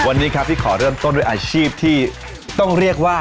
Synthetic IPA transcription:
wa˧nːiː˦˥kʰɾa˦˥p̚t̪ʰiː˥˩kʰɔː˩˦ɾɤː˥˩əmt̪o˥˩nduː˥˩ʔaː˧ɕʰiː˥˩p̚t̪ʰiː˥˩ | t̪ɔ˥˩ŋɾi˥˩ək̚waː˥˩

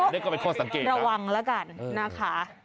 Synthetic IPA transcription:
ɔ˦˥na˥˨kɔː˥˩pe˧nkʰɔː˥˩sa˨˦ŋkeː˨˩ɾa˧wa˧ŋlɛ˦˥ka˧nːa˦˥kʰa˦˥

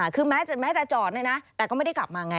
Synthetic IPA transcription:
kʰɯː˧mɛː˦˥t͡ɕmɛː˦˥t͡ɕa˨˩t͡ɕɔː˨˩na˥˩jna˦˥t̪ɛ˨˩kɔː˥˩ma˥˩da˥˩jkla˨˩p̚maː˧ŋa˧

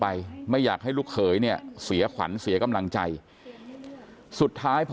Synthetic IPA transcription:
pa˧jma˥˩jːaː˨˩k̚ha˥˩jluː˥˩k̚ʰɤː˩˦jni˥˩ɐəsi˩˦ɐkʰwa̰˩˦nsi˨˩˦ɐka˧mla˧ŋt͡ɕa˧j | su˨˩t̪ʰːaː˦˥jpʰ

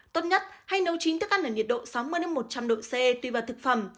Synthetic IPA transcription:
t̪o˦˥t̚ɲə˦˥t̚ha˧jnə˨˦wt͡ɕi˨˦nt̪ɨ˦˥kʔa˧nəː˨˩ɲi˨˩t̚ɗo̰˧˨sa˨˦wmɨ˧əjna˨˧˦mo˨˩t̚t͡ɕa˧mɗo̰˧˨se˧t̪wi˧vaː˨˩t̪ɨ˨˩k̚fə˧˩m

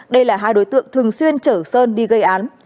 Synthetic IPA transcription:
ɗə˧jlaː˨˩ɦaː˧jɗo˨˦jt̪ɨ̰˧˨əŋt̪ʰɨ˨˩əŋswi˧ənt͡ɕəː˧˩səː˧nɗi˧ɣə˧jʔaː˨˦n

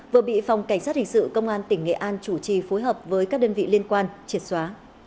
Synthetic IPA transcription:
vɨ˨˩əɓḭ˧˨fa˨˩wŋ͡mka˧˩ŋ̟saː˦˥t̚hï˨˩ŋ̟sɨ̰˧˨kə˧wŋ͡mʔaː˧nt̪ï˧˩ŋ̟ŋḛ˧˨ʔaː˧nt͡ɕu˧˩t͡ɕi˨˩fo˨˦jɦəː˨˩p̚vəː˨˦jkaː˦˥k̚ɗəː˧nvḭ˧˨li˧ənkwaː˧nt͡ɕi˨˩ət̚swaː˨˦

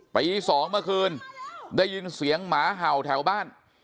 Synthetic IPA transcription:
pa˧jʔiː˧sɔː˨˩˦ŋmaː˧kʰɯː˧ndaː˥˩jːi˧nsi˨˩˦əŋmaː˩˦ɦa˨˩wt̪ʰɛː˩˦wbaː˥˩n

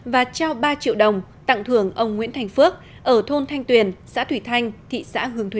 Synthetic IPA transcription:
vaː˨˩t͡ɕɔ˧wɓaː˧t͡ɕḭ˧˨əwɗə˨˩wŋ͡m | t̪a̰˧˨ŋt̪ʰɨ˧˩əŋʔə˧wŋ͡mŋḭ˧˥ənt̪ʰjŋ̟fɨ˦˥k̚ | ʔəː˧˩t̪ʰo˧nt̪ʰa˧jŋ̟t̪wi˨˩ənsa̰ː˧˥t̪ʰwi˧˩t̪ʰa˧jŋ̟t̪ʰḭ˧˨sa̰ː˧˥hɨ˨˩əŋt̪wi˧˨˧

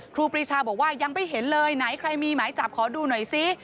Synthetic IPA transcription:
kʰɾuː˧pɾiː˦˧˥t͡ɕʰaː˧bɔː˨˩k̚waː˥˩ja˧ŋma˧˩jɦe˩˦nlɤː˧jna˩˦jkʰɾa˧jmiː˧maː˩˦jt͡ɕa˨˩p̚kʰɔː˩˦duː˧nɔ˨˩jsi˦˥

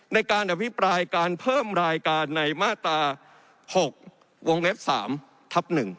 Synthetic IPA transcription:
na˧jkaː˧nʔa˨˧˩pʰi˦˥pɾaː˧jkaː˧npʰɤː˥˩mɾaː˧jkaː˧nːa˧jmaː˥˩t̪ɾaː˧ | ho˨˩k̚ | wo˧ŋwe˦˥p̚sa̰ː˩˦m | t̪ʰa˦˥p̚nɯ˨˩ŋ

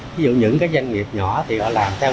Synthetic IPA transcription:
vi˨˦zṵ˧˨ɲɨ̰˧˥ŋkaː˨˦jzwjŋ̟ŋi˨˩əp̚ɲɔ˧˩˦t̪ʰi˨˩hɔ̰˧˨laː˨˩mt̪ʰɛ˧w

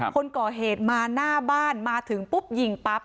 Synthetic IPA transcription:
kʰo˧nkɔː˨˩ɦeː˨˩t̪̚maː˧naː˥˩baː˥˩nmaː˧t̪ʰɯ˩˦ŋpu˦˥p̚ji˨˩ŋpa˦˥p̚

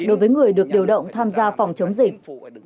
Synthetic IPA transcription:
ɗo˨˦jvəː˨˦jŋɨ˨˩əjɗɨ˨˩ək̚ɗi˨˩əwɗə̰˧˨wŋ͡mt̪ʰaː˧mzaː˧fɔ˨˩wŋ͡mt͡ɕə˨˦wŋ͡mzï˨˩k̟̚

